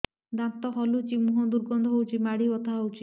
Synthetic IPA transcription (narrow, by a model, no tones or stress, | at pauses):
d̪ãt̪ɔɦɔlut͡ʃimuɦɔd̪uɾɡɔnd̪ʱɔɦowt͡ʃʰimaɽiɔt̪aɦowt͡ʃʰi